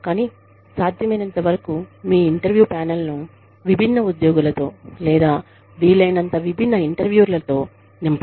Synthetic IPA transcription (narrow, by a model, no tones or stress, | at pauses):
kaːniː | saːd̪ʱjɐmɐjnɐnt̪ɐʋɐɾɐkumiːiɳʈɐɾʋjuːpaːnɐlnu | ʋibʱinːɐud̪joːɡulɐt̪o̞ːlɛːd̪aː | ʋiːlːɐjnɐnt̪ɐʋibʱinːɐiɳʈɐɾʋjuːɾlɐt̪o̞ː | nimp